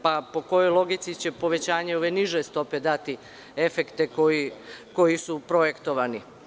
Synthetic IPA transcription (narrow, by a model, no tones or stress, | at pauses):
papo̞ko̞jo̞jlˠo̞ɡit̪sit͡ɕe̞po̞ʋe̞t͡ɕaːɲeo̞ʋe̞niʒest̪o̞pe̞d̪at̪i | e̞fekt̪ekoiko̞jisupɾo̞je̞kt̪o̞ʋani